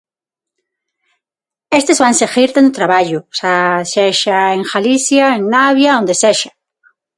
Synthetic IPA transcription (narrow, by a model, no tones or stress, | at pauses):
est̪ezβanseɣiɾt̪end̪ot̪ɾaβaʎʊsaseʃaeŋxaliθjaeŋnaβjaõnd̪eseʃḁ